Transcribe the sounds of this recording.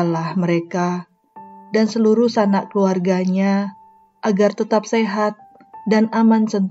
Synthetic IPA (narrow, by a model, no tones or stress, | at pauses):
lahməɾeka | dansəluɾuhsanakəluarɡaɲa | ʔaɡart̪ət̪ap̚seɦat̪̚ | danamansənt̪